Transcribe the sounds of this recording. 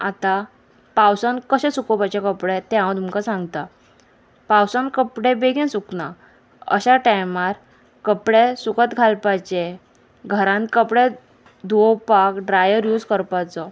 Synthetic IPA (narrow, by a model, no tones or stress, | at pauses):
at̪a | pawsankəɕɛ̃sukɔpat͡ɕekəpɽet̪ɛɦãwt̪umkasãŋɡt̪a | pawsankəpɽebeɡɛ̃nsukna | ə̰ɕaʈajmaɾ | kəpɽesukət̪ɡʱalpajt͡ɕe | ɡʱəɾãnt̪kəpɽe | d̪ʱʋowpakɖɾajəɾjud͡zkəɾpat͡sɔ